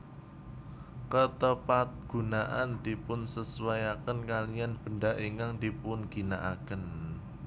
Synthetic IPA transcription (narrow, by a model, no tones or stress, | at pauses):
kət̪əpat̪̚ɡ̥ṳnaʔand̪̥ipʊnsəsuwajakənkalianb̥əndaʔiŋaŋdipʊnɡ̥inaʔakən